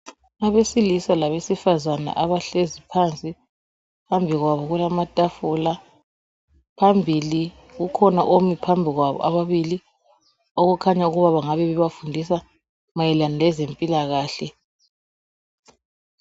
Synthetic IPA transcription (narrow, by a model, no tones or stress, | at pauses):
aβesilisalaβesifazana̰ʔaβaɬezipʰant͡sʼi | pʰambʱiɣwaβɔɣulamatʼafula | pʰambʱili | ɣukʰɔnaʔomipʰambʱiɣwaβɔ̰ʔa̰βaβili | oɣukʰaɲauɣuβaβaŋaβɛβɛβafundʱisa | majɛlanɛlɛzempʼilaɣaːɬɛ